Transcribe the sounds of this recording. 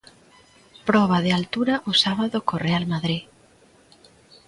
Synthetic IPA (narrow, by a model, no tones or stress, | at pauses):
pɾɔβ̞aðealt̪uɾaʔosaβaðokorealmaðɾi